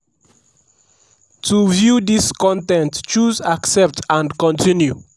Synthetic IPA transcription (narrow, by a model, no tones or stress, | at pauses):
tuvjudiskɔ̃ntɛ̃ntt͡ʃuzaksɛp̚tãnkɔ̃ntĩnju